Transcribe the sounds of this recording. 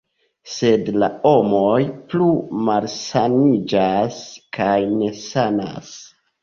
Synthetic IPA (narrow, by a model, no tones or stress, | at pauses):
se̞dlao̞mo̞jplumalsanid͡ʒaskajne̞sana̰s